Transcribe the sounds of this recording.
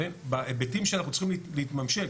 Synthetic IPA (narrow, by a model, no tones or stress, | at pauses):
ebaebetimʃeanaχnut͡sl̥χimlliit̪mamʃe